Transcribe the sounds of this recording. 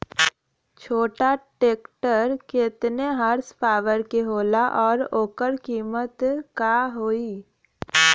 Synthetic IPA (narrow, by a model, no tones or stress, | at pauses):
t͡ʃʰoːʈaʈeːkʈəɾkɪt̪neɦəɾspaːʋəɾkeɦoːlaʔɔːɾoːkəɾkiːmət̪kaɦoːiː